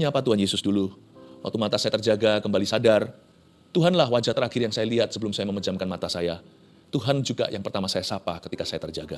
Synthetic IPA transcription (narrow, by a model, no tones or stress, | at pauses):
ɲaːpat̪uɦanjesʊsdulu | wa̰k̚t̪umat̪asajat̪ərd͡ʒaɡakəmbalisadar | t̪uɦanlahwad͡ʒaht̪əɾaxɪrjaŋsajaliɦat̪̚səbəlʊmsajaməməd͡ʒamkanmat̪asaja | t̪uɦand͡ʒuɡa̰jʔaŋpərt̪amasajasapakət̪ikasajat̪ərd͡ʒaɡa